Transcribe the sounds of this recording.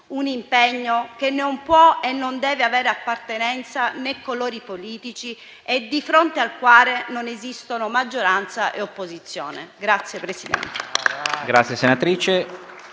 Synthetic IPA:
unimpɛɲːokenːompwɔenːond̪ɛːveavɛːɾeapːart̪enɛnt̪sanɛkːoloːɾipoliːt̪it͡ʃi | ed̪ifɾont̪ealkwaːlenonezist̪onomad͡ʒːoɾant̪saʔeopːozit̪sːjo̰ːnḛɡɾat̪sːjepɾesid̪ɛ̰nt̪eɡɾat̪sjesenat̪ɾiːt͡ʃe

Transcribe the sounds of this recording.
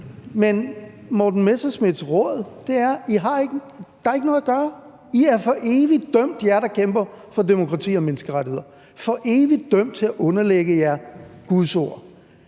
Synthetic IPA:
menmɒːd̥n̩mesɐsmið̥ˠsʁɔð̩ˠd̥e̝æɐiɦɑ̈e̝ɡ̥ə | d̥ɑɑe̝ɡ̥ənɔ̽ːðˠɐɡ̥ɶːɐ | iæɐfɒ̽ʔe̝ːʋid̥œm̰d̥jæɐɾ̥ɑ̈kʰemb̥ɐfɒ̽de̝mo̝kʰʁɑ̈t͡sʰḭːɒ̽menəsɡ̥əʁaɾihe̝ð̰ˠɐ | fɒ̽ʔe̝ːʋid̥œm̰d̥̚t͡sʰe̝læʔɔ̽nɐleɡ̥əjæɐɡ̥uðˠso̝ɐ̰

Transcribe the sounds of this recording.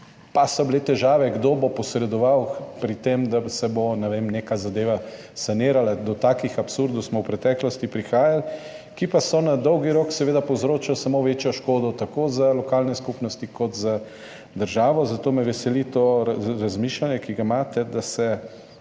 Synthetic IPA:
pasɔblet̪ɛʒaːʋɛɡd̪oːbopɔsɾɛd̪ɔʋawpɾit̪emd̪asɛbonɛʋemneːkazad̪eːʋa | saneːɾalad̪ɔt̪aːkixapsuɾd̪owsmɔwpɾɛt̪ɛːklɔst̪ipɾixaːjal | kipasɔnad̪ɔwɡiɾoːksɛʋeːd̪apowzɾoːt͡ʃalsamoʋeːt͡ʃjɔʃkoːd̪ɔt̪akozalɔkaːlnɛskupnɔst̪ikɔt̪za | d̪əɾʒaːʋɔzat̪oːmɛʋɛsɛlit̪oɾazmiːʃlanjɛkiɡamaːt̪ɛd̪asɛ

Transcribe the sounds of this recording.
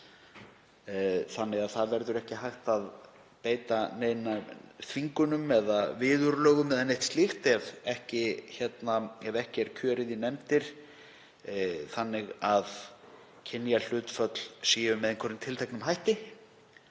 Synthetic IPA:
θanːɪɣaðθaðvɛɾðʏɾɛhcɪɦajxt̪að | peːjt̪aneːjnaθviŋkʏnʏmɛðavɪːðʏɾlœːɣʏmɛðanejht̪st̪lixt̪ɛvɛhcɪçɛt̪naɛvɛhcɪɛɾ̥cʰœːɾɪðinɛmt̪ɪɾ̥ | θanːɪɣað | cʰɪnːjal̥ʏːt̪fœt̪l̥siːʏmːɛðeŋkʰɔɾʏnt̪ʰɪlt̪ʰɛjknʏmhɦajht̪ɪ

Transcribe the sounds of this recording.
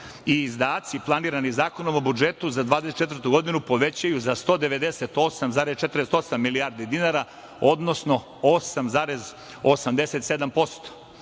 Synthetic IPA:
iːzd̪aːt̪siplˠaniːɾanizaːko̞no̞mo̞bud͡ʒe̞t̪uzad̪ʋaːd̪eset̪̚t͡ʃe̞t̪vɾt̪uɡo̞d̪inupo̞ʋe̞t͡ɕajuzast̪o̞ːd̪e̞ʋe̞d̪e̞set̪o̞samzaːɾest͡ʃet̪ɾest̪o̞samːilijaːɾd̪id̪inaɾa | od̪nosno̞ | osamzaːɾez | osamd̪e̞se̞t̪se̞d̪ampo̞st̪o̥

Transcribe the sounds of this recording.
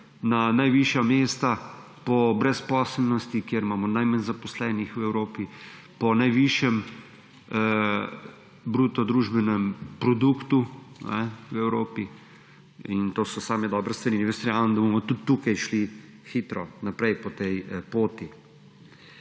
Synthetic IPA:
nanajʋiʃjameːst̪a | pɔbɾɛspɔːslnɔst̪ikjeɾmaːmɔnajmanzapɔslɛːnixwɛwɾoːpi | pɔnajʋiʃjɛm | bɾuːt̪ɔd̪ɾuːʒbɛnɛmpɾɔd̪ukt̪unɛwɛwɾoːpi | int̪oːsɔsaːmɛd̪ɔːbɾɛst̪ʋɐɾinɛʋest̪ɾjaʋɐnd̪ɐbomɔt̪ut̪ːukajʃli | xit̪ɾɔnapɾɛjpɔt̪ɛjpoːt̪i

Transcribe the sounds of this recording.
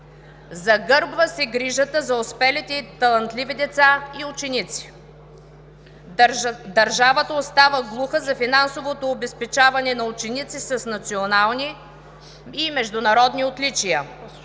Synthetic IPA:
zɐɡɤɾbvəsɛɡɾiʒət̪əzɐospɛlit̪ɛt̪ɐlˠɐnt̪livid̪ɛt̪saiʊt͡ʃɛnit̪si̥ | d̪ɐɾʒavət̪əost̪avəɡlˠuxəzɐfinansovot̪oːbɛspɛt͡ʃavɐnɛnɐʊt͡ʃɛnit̪sisɐsnɐt̪sionalˠniː | mɛʒd̪ʊnɐɾɔd̪niot̪lʲit͡ʃijə

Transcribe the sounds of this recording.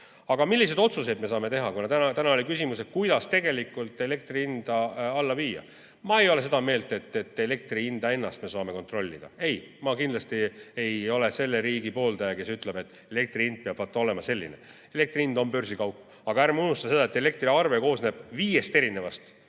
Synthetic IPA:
ɑɡ̥ɑmilʲːis̬e̞jd̪o̞t̪suse̞jd̪me̞s̬ɑːme̞t̪e̞ɦɑkunɑt̪ænɑt̪ænɑolikysimuse̞t̪̚kujd̪̥ɑst̪e̞ɡe̞likːˑult̪ˑe̞le̞k̚t̪riind̪̥ɑɑlːɑviːjɑ̰ | mɑe̞jo̞le̞se̞d̪̥ɑme̞ːlt̪e̞t̪ːe̞t̪ːˑe̞le̞k̚t̪riind̪̥ɑe̞nːɑst̪me̞soɑme̞ko̞nt̪ro̞lʲːḭd̪̥ɑ̰e̞jmɑkind̪lɑst̪ie̞jo̞le̞se̞lːeɾiːɡipo̞ːld̪ɑjɑke̞syt̪ˑle̞b̥e̞t̪ːˑe̞le̞k̚t̪riind̪̥̚peɑb̥vɑt̪ːˑɑo̞le̞mɑse̞lʲːḭnḛ | e̞le̞k̚t̪riind̪ompø̞rsikɑwpː | ɑɡ̥ɑæɾmunust̪ɑse̞d̪ɑet̪ːˑe̞le̞k̚t̪riɑrveko̞ːsne̞b̥viːje̞st̪eɾine̞vɑst̪

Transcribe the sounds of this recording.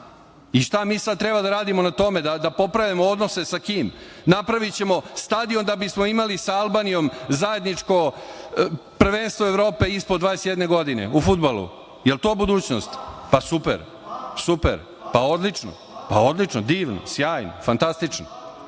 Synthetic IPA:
iʂt̪amiːsad̪̚t̪ɾebad̪aɾaːd̪imo̞nat̪o̞me̞d̪ad̪apo̞pɾaʋjamood̪no̞se̞sakiːm | napɾaʋit͡ɕe̞mo̞st̪ad̪ijomd̪abismoimalisaalˠbaːnijo̞mzaje̞d̪nit͡ʂko̞ | pr̩ʋeːnst̪ʋoeʋɾo̞ːpe̞ispod̪ʋaːesjed̪neɡo̞d̪ine̞̰ufud̪balˠṵ | jelt̪o̞ːbud̪uːt͡ɕno̰st̪pasupḛɾ | supḛɾ | pao̞d̪lit͡ʂno̰ | pao̞d̪lit͡ʂnod̪iːʋno̰sjaːjno̰fant̪ast̪it͡ʂno̰

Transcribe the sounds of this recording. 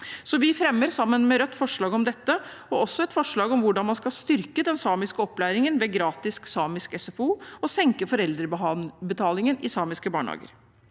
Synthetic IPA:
sɔʋɪfɾɛmːəɾsɑmːənmɛɾœt̪ːfɔʂɭɑːɡɔmd̪ɛt̪ːə | ɔɔsːɔɛt̪fɔʂɭɑːɡɔmʋʊɖɑnmɑnskɑlst̪ʏɾkəd̪ɛnsɑːmɪskəɔpːlæːɾɪŋənʋeːɡɾɑːt̪ɪsksɑːmɪskɛsɛfuːɔsɛŋkəfɔɾɛld̪ɾəbət̪ʰɑːlɪŋənɪsɑːmɪskəbɑ̰ːɳhɑ̰ːɡə̰ɾ

